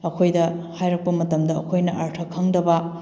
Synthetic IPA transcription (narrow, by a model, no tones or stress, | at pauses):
ɐkʰojdɐhajɾɐk̚pɐmɐtɐmdɐɐ̰kʰojnɐʔaɾtʰɐkʰːɐŋdɐbɐ